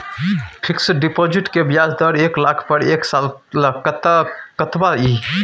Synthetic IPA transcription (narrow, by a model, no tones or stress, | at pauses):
pʰiksɖipod͡ʒiʈkebjad͡ʒʱd̪əɾeklakʰpəɾeksalləkət̪akət̪bai